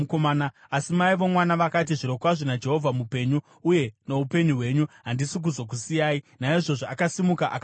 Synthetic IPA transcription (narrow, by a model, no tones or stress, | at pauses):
komaːna | asimaiʋo̞mwanaʋakat̬iʐiɾo̞kwaʐonad͡ʒe̞ɦo̞vʱamupe̞ɲuː | je̞no̞upe̞ɲuɦwe̞ɲuɦandisuk̬ud͡zok̬usijaːinaiʐo̞ʐoakasimukaʔak